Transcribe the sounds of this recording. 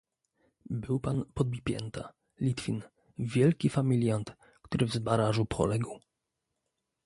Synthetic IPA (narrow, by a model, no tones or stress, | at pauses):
bɘwpanpɔd̪̚bʲipʲjɛ̰nt̪a̰ | lʲit̪fʲin | vʲjɛlkʲifamʲilʲjant̪ | kt̪uɾɘvzbaɾaʐupʰɔ̰lɛɡw